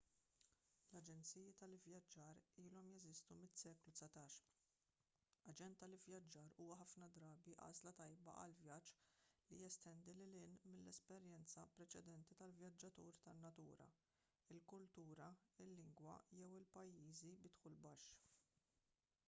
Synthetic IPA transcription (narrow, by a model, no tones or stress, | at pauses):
lɐd͡ʒɛnt͡sijit̪ɐlɪvjɐd͡ʒːɐːɾiːlɔmjɛzɪst̪umɪsɛːklusɐt̪ɐːʃ | ɐd͡ʒɛnt̪ːɐlɪvjɐd͡ʒːɐːɾuːwɐħɐfnɐd̪ɾɐːbiʔɐ̰ːzlɐt̪ɐjbɐ̰ʔɐ̰lvjɐd͡ʒlijɛst̪ɛnd̪ilɪlɪnmɪnlːɛspɛɾjɛnt͡sɐpɾɛt͡ʃɛd̪ɛnt̪it̪ɐlvjɐd͡ʒːɐt̪uːɾt̪ɐnːɐt̪uːɾɐ̰ | ɪlkʊlt̪uːɾɐɪlːɪŋɡwɐ̰jɛwɪlpɐjːiːzibɪt̪ħulbɐʃː